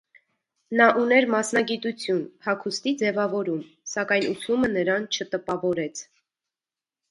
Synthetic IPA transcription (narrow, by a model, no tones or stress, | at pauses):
nɑʔunɛɾmɑsnɑɡit̪ut͡sʰjunpʰɑkʰust̪id͡zɛvɑvɔɾum | sɑkɑjnut͡sʰumənəɾɑnt͡ʃʰət̪əpɑvɔɾɛt͡sʰ